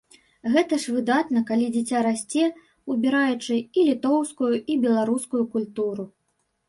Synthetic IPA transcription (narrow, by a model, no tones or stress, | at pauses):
ɣɛt̪ɐʂvɨd̪at̪nɐkalʲid͡zʲat͡sʲaɾasʲt͡sʲɛ | ubʲiɾajut͡ʂɨilʲit̪ɔwskujuʔibʲɛlˠaɾuskujukulʲt̪uɾu